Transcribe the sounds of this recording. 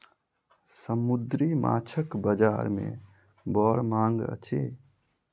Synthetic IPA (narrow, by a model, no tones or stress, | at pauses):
səmʊd̪ɾima̰ːt͡ʃʰəkbəd͡ʒaːɾmḛ̃ | bɔːɾmãːŋɡə̰t͡ʃʰeː